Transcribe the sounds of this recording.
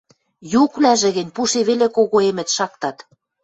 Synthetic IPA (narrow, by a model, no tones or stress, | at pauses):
jukβlæʒĕɣɘ̆nʲpuʃeβelekoɣoemɘ̆t̪ʃɑkt̪ɑt̪